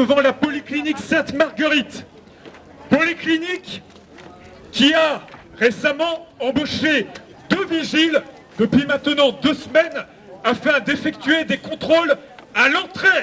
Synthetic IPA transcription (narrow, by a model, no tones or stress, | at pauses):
əvɑ̃lapɔlikliniksɛ̃t̪maʁɡəʁit̪ | pɔliklinik | ia | ʁesamɑ̃ɑ̃boʃe | d̪əviʒil | d̪əpɥimɛ̃t̪nɑ̃d̪əsmɛn | afɛ̃d̪efɛk̚t̪ɥed̪ekɔ̃t̪χolalɑ̃t̪χe